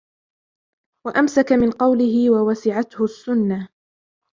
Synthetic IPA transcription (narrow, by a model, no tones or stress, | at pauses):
waʔamsakamɪnqɑwlɪɦɪwawasɪʕat̪hʊsːʊnːa